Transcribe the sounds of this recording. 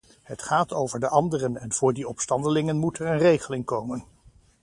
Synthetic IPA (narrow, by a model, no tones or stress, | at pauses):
ɦətχaːtowvəɹdəʔɑndərənɛnv̥ʊːɹdiɔpstɑndəlɪŋənmutɛɹənrejχəlɪŋkowmən